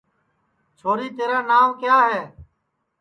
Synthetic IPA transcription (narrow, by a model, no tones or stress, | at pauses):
t͡ʃʰoːɾiːt̪eːɾãːnaːmkjaːɦeː